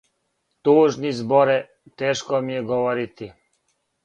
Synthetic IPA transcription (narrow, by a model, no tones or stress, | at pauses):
t̪uːʒnizboɾɛ | t̪eːʃkomijeɡoʋoɾit̪i